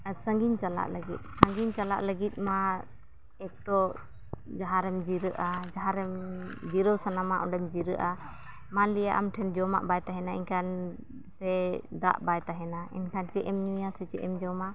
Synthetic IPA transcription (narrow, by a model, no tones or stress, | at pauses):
səŋɡint͡ʃala̰ʔləɡit̪̚ˀsə̃ŋɡint͡ʃala̰ʔləɡit̪̚ˀma | ɛk̚t̪ɔ | d͡ʒaɦaɾɛmd͡ʒiɾəʔad͡ʒaɦaɾɛmd͡ʒiɾəwsanamaʔɔɖɛmd͡ʒiɾəʔa | manlija̰ʔamʈʰɛnd͡ʒɔma̰ʔbajt̪aɦɛnaḭɲkʰan | sɛd̪a̰ʔbajt̪aɦɛnaḭnkʰant͡ʃɛʔɛmɲijasɛt͡ʃɛʔɛmd͡ʒɔma